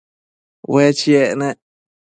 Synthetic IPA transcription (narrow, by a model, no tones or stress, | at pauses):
wet͡ʃiene